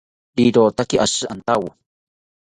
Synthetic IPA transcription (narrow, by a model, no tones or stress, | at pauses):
biɾoːt̪akiʔasɨʔant̪awo